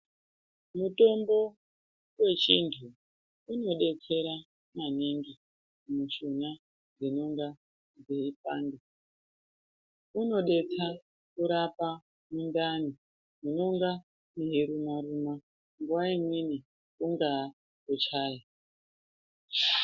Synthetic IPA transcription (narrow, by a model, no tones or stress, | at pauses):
muto̞mbo̞ | we̞t͡ʃintʰuː | no̞ɗe̞t͡se̞ɾa | maniŋɡi | muʃona | d͡zinoŋɡa | d͡zeipaːndi | uno̞ɗe̞t͡sa | kuɾapa | mundani | munoŋɡa | neɦeɾumaɾuma | ŋɡuwaimwini | uŋɡa | kot͡ʃaːja